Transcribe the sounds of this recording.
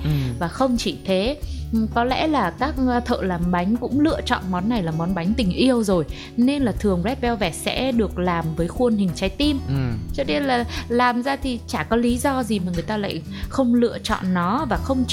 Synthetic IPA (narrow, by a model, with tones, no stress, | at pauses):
vaː˨˩xə˧wŋ͡mt͡ɕi˧˩t̪ʰe˨˦kɔ˨˦lɛ̰˧˥laː˨˩kaː˦˥k̚t̪ʰə̰ː˧˨laː˨˩mɓa˨˦jŋ̟kʊ̰˧˥ŋ͡mlɨ̰˧˨ət͡ɕɔ̰˧˨nmɔ˨˦nːa˨˩jlaː˨˩mɔ˨˦nɓa˨˦jŋ̟t̪ï˨˩ŋ̟ʔi˧əwzo˨˩j | ne˧nlaː˨˩t̪ʰɨ˨˩əŋzɛ˦˥p̚ɓɛ˧wvɛ˧˩sɛ̰˧˥ɗɨ˨˩ək̚laː˨˩mvəː˨˦jxwə˧ənhï˨˩ŋ̟t͡ɕa˨˦jt̪i˧mt͡ɕə˦ne˧laː˨˩laː˨˩mzaː˧t̪ʰi˨˩t͡ɕaː˧˩kɔ˨˦li˨˦zɔ˧zi˨˩maː˨˩ŋɨ˨˩əjt̪aː˧la̰ː˧˨j | xə˧wŋ͡mlɨ̰˧˨ət͡ɕɔ̰˧˨nːɔ˨˦vaː˨˩xə˧wŋ͡m